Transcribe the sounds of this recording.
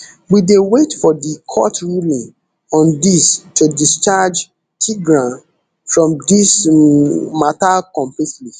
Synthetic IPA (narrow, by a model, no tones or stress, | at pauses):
widewetfɔdikʰɔtɹulĩn | ɔ̃ndistudist͡ʃad͡ʒ | tʰiɡɹãn | fɹɔ̃mdis | matakɔ̃mplitli